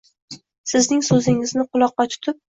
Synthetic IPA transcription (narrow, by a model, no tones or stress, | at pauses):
sɪznɪŋsɵzɪŋɪznɪqʰʊlˠɒqːɑt͡ʃ̪ʰʊ̥t̪ʰɪp̚